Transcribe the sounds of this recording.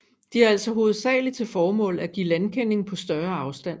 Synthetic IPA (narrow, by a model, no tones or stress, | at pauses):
d̥iæɐæl̰sɒ̽ɦo̝ːð̩ˠsɛ̰ːlit͡sʰe̝lfɒːmɔ̰̽ːlæɡ̥ḭːlænkʰen̰e̝ŋ̩pʰɒ̽sd̥ɶɐɑ̈ʊsd̥æn̰